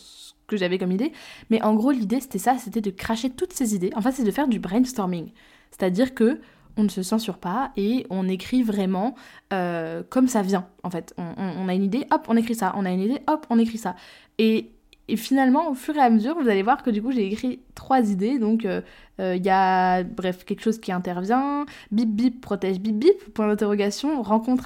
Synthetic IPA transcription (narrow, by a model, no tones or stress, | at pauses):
s | ə̥kəʒavɛkɔmid̪emɛʔɑ̃ɡʁolid̪ese̥t̪ɛsaset̪ɛd̪əkχaʃet̪ut̪sezid̪eɑ̃fɛ̃seɛd̪əfɛʁd̪ybʁɛ̃nd̪st̪ɔʁmiŋ | se̥t̪ad̪iʁkə | ɔ̃nəsəsɛ̃syʁpaeɔ̃nekχivʁɛmɑ̃økɔmsavjɛ̃ɑ̰̃fɛt̪ɔ̃ʔɔ̃ːnaynid̪eʔɔpɔ̃nekχisaʔɔ̰̃naynid̪eʔɔpɔ̃nekχisa | e | finalmɑ̃ofyʁeaməzyʁvuzalevwaʁkəd̪ykuʒeːkχit̪χwazid̪ed̪ɔ̃kø | øiljabʁɛfkʲɛlkə̥ʃozkʲiɛ̃t̪ɛʁvjɛ̃bip̚bippːχɔt̪ɛʒbip̚bippːwɛ̃d̪ɛ̃t̪eʁɔɡasjɔ̃ʁɑ̃kɔ̃t̪χ